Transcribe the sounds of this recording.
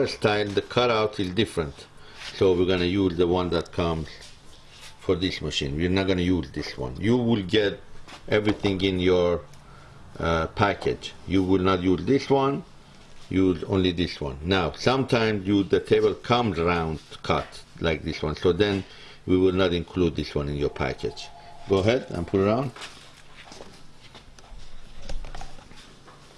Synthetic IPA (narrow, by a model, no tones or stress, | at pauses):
əstʰaɪlðəkʰʌɾaʊtɪzdɪfɹə̃nt | soʊwiɹɡʌnɨjuzðəwʌ̃nðæt̚kʰʌ̃mz̥ | fɔ˞ðɪsməʃḭ̃ːnwiɹnɑt̚ɡ̥ʌnɨjuzðɪswʌ̰̃njuwɪlɡɛɾʔɛvɹiθɪ̃ŋɪ̃njə˞ | pʰækʰɨ̰d͡ʒjuwɪlnətjuːzðɪswʌ̃n | juzõ̰nliðɪswʌ̰̃nːawsʌ̃mt̪ʰãj̃mzjuzðət̪ʰebəlkʰʌ̃mzɹãʊ̃ndkʰʌtlajk̚ðɪswʌ̃nsoːðɛ̃n | wiwɪlnɑɾɪ̃nkʰlud̪̚ðɪswʌ̃nɪ̃njɔɹpʰæ̰kʰɛ̰d͡ʒɡ̥oəɦɛdæ̰̃npʰuləɹãʊ̃nd